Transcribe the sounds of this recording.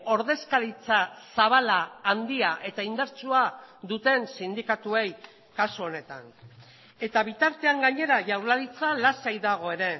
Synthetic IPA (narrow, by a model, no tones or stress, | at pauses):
o̞ɾðe̞skaðit͡sasaβalaːnd̪iaʔe̞t̪aind̪aɾt͡suad̪ut̪e̞nsind̪ikat̪ue̞j | kasuo̞ne̞t̪a̰n | e̞t̪aβit̪aɾt̪e̞aŋɡaɲe̞ɾaʝawɾlaðit͡salasajðaɣ̞oe̞ɾe̞